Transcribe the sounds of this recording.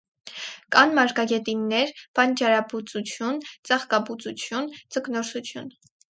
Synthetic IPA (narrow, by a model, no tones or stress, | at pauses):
kɑnmɑɾkɑɡɛt̪inːɛɾpɑnt͡ʃɑɾɑbut͡sut͡sʰjunt͡sɑχkɑbut͡sut͡sʰjunt͡səknɔɾsut͡sʰjun